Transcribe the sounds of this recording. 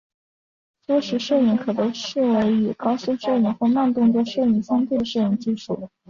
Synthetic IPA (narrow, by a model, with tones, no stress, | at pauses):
twɔ˥ʂɻ̩˧˥ʂɤ˥˩ʊi˧˥ŋkʰɤ˨˩t̪ɤ˧˥ʂɻ̩˥˩we˧˥ɪy˨˩kɑ˥ʊɕu˥˧ŋʂɤ˥˩y˧˥ŋxwe˥˧ma˥˧nt̪ʊ˥˧ŋt͡swɔ˥˧ʂɤ˥˧i˥˩ŋsi˥ŋt̪ʰi˥˩d̪ə˩ʂɤ˥˩i˧˥ŋt͡ɕi˥˧ʂṵ˥˩